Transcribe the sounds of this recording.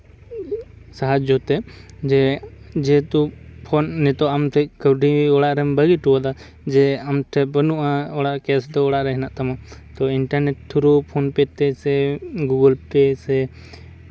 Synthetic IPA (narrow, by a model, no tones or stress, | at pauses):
saɦad͡ʒɔt̪ɛd͡ʒɛd͡ʒɛt̪upʰɔnːɛt̪ɔamt̪ʰɛkəwɖʱiiɔɽaʔɾɛmbəɡiʈuwad̪a | d͡ʒɛamʈ̪ʰɛbənuʔãɔɽaʔkɛsd̪ɔɔɽaʔɾɛɦɛnaʔt̪amat̪ɔiɳʈaɾneʈ̚t̪ʰːuɾupʰɔnpɛt̪ɛsɛɡuɡəlpɛsɛ